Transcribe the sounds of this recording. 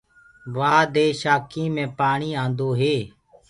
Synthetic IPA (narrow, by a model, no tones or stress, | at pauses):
ʋaːd̪eːʃaːkʰĩːmẽːpaːɳiːãːnd̪oːɦeː